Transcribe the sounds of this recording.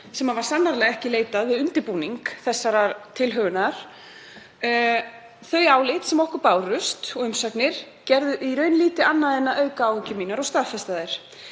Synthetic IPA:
sɛmavaɾ̥sanːaɾlɛɣɛhcɪleːjt̪aðvɪðʏnt̪ɪɾpuːniŋkθɛsːaɾat̪ʰɪlɦœːɣʏnaɾ̥ | θœɥaːwlɪt̪sɛmɔhkʏɾpaːwrʏst̪ɔɣʏmsaknɪɾ̥ | cɛɾðʏʔiɾœːɥnliːt̪ɪanːaðɛnːaʔœɥkaaːwhʏcʏmiːnaɾɔɣst̪afɛst̪aðɪɾ̥

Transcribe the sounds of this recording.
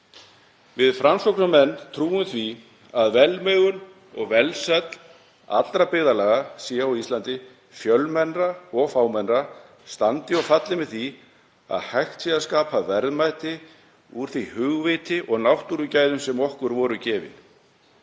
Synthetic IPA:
vɪðfɾʔamsɔwknamɛnːt̪ʰɾuːʏmθvi | aðvɛlmœːɣʏn | ɔ̰ɣvɛlsɛt̪l̥ | a̰t̪lɾapɪːðalɛːɣasiːaawist̪ant̪ɪ | fjœlmɛnraɔɣfaːwmɛnra | st̪ant̪ɪɔɣfat̪lɪmɪðθi | a̰ðhajxt̪siaskaːpavɛɾðmajt̪ɪ | uɾ̥θvihʏɣvɪt̪ɪʔɔɣnawht̪uɾʏcaːjðʏmsɛmɔhkʏɾvɔːɾʏcɛːvɪ̰

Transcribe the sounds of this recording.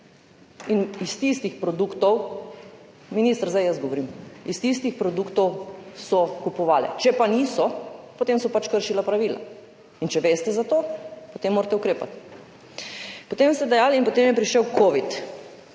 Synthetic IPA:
inist̪ist̪ixpɾɔd̪ukt̪ɔw | minist̪ɾzajəsɡɔʋoɾiːmist̪ist̪ixpɾɔd̪uːkt̪ɔwsɔkupɔʋaːlɛ̰t͡ʃɛpaniːsɔpot̪emsɔpat͡ʃkəɾʃilapɾaʋiːla̰ | int͡ʃɛʋeːst̪ɛzat̪oːpot̪emːoːɾt̪ɛukɾeːpa̰t̪ | pot̪emst̪ɛd̪ɛjaːlinpot̪emjɛpɾiʃɛwkoːʋit̪

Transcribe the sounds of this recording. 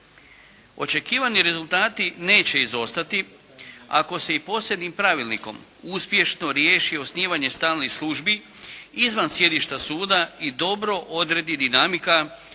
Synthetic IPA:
o̞̰t͡ʃe̞kiːʋaniɾe̞zulˠt̪aːt̪ine̞ːt͡ɕe̞izo̞st̪at̪i | a̰ko̞se̞ipo̞ːsje̞d̪nimpɾaʋilnḭko̞̰m | uspje̞ʃno̞ɾje̞ːʃio̞sniːʋaɲe̞st̪aːlnixslˠuʒbi | izʋansje̞d̪iʃt̪asuːd̪aid̪o̞bɾo̞ʔo̞d̪ɾe̞d̪id̪inamika

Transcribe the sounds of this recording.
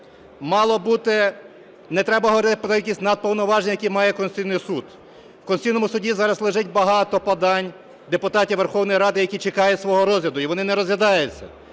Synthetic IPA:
mɑlˠɔbut̪ɪ | nɛt̪ɾɛbɐɦɔʋɔɾɪt̪ɪpɔkʲilʲkʲisʲtʲnɐd̪̚pɔwnɔʋɑʒenʲɐjɐkʲimɑjɛkɔnst̪ʲijnɪjsud̪ | wkɔnsʲijnɔmʊsʊdʲizɑɾɐzlˠɪʒɪt̚ʲbɐɦɑt̪ɔpɐd̪ɑnʲ | d̪epʊt̪ɑtʲiʋerxɔwnɔjɾɑd̪ɪjɐkʲit͡ʃekɑjʊsʋɔɦɔɾɔzʲlʲɐd̪ʊiʋɔnɪnɛɾɔzʋʲɐd̪ɑjʊt͡sʲːɐ̰

